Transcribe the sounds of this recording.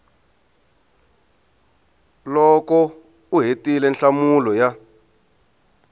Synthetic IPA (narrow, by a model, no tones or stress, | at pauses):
lɔkɔ | uɦetilɛnɬamulɔja